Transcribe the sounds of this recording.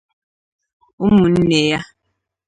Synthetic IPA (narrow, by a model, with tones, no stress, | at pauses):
u˦mu˨n̩˦ne˨ja˦